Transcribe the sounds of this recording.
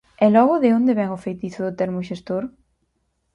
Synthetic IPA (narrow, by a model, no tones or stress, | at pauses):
ɛlɔɣʊðɪond̪eɪβɛŋʊfejt̪iθʊðʊt̪eɾmʊʃest̪oɾ